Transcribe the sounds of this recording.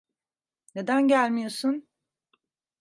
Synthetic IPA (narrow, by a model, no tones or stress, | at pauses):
ne̞d̪ænɟælʲmijo̞sun